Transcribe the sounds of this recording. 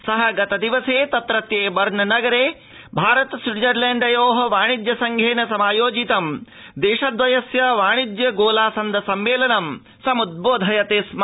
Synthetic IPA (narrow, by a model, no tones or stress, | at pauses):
sɐɦɐ̆ɡɐt̪ɐd̪iʋɐseːt̪ɐt̪ɾɐt̪jeːbɐɾɳɐnɐɡɐɾeː | bʱaːɾɐt̪siʈd͡ʒɐɾleːɳɖɐjoːɦɐʋaːɳ̃id̪jɐsɐŋɡʱeːnɐsɐmaːjoːd͡ʒit̪ɐm | d̪eːʃɐd̪ʋɐjɐsjɐʋaːɳ̃id̪jɐɡoːlaːsɐnd̪ɐsɐmʋeːlɐnɐm | sɐmud̪̚boːd̪ʱɐjɐt̪eːsm